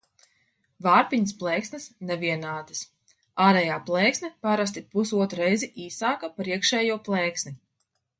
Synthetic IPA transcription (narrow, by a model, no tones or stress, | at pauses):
vaːɾpiɲəs̬plˠɛːksnʲɨsnɛviɛnaːd̪ɨs | aːɾɛjaːplˠɛːksnʲɛpaɾas̬t̪ipusuɔt̪ɾuɾɛjziʔiːsaːkapɾiɛkʃɛːjuɔplˠɛːksni